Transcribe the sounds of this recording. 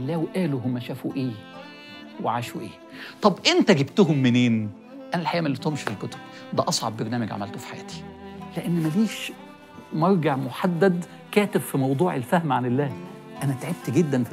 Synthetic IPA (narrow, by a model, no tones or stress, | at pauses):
lːæːweʔæːluɦʊmːæʃæːfuʔeː | weʕaːʃuʔeː | t̪ˤɑbʔent̪æɡebt̪ʊɦʊmːeneːn | ʔænælħajæːmælːit̪omʃi̥filkot̪o̥b̚ | d̪æʔɑsˤʕɑ̰bːɑɾnæːmæɡʕa̰mælt̪ofi̥ħajæ̰ːt̪i̥leʔenːmæɡiːʃ | mɑɾˤɡeʕmoħad̪ːæd̪ | kæːt̪ɪbfimɑwd̪ˤuːʕelfæhmʕanelːæː | ʔænæt̪ʕeb̚t̪ɡed̪ːæn